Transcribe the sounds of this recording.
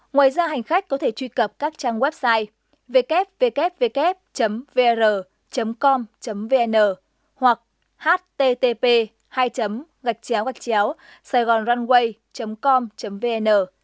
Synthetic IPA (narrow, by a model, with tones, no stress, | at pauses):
ŋwaː˨jzaː˧ɦa˨˩jŋ̟xa˦˥k̟̚kɔ˨˦t̪ʰe˧˩t͡ɕwi˧kə˨˩p̚kaː˦˥k̚t͡ɕaː˧ŋwɛ˦˥p̚saː˧j | ve˧kɛ˦˥p̚ve˧kɛ˦˥p̚ve˧kɛ˦˥p̚t͡ɕə˨˦mve˧zəː˨˩ | t͡ɕə˨˦mkɔ˧mt͡ɕə˨˦mve˧ʔɛ˧nəː˨˩ | hwa˨˩k̚ | haː˦˥t̚t̪e˧t̪e˧pe˧ | haː˧jt͡ɕə˨˦m | ɣa˨˩k̟̚t͡ɕɛ˨˦wɣa˨˩jk̚t͡ɕɛ˨˦w | saː˧jɣɔ˨˩nzwa˧nɣwə˧j | t͡ɕə˨˦mkɔ˧mt͡ɕə˨˦mve˧ʔɛ˧nəː˨˩